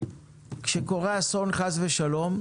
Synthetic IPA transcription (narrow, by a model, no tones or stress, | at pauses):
kʃeko̞ʁeaso̞nχazveʃalo̞m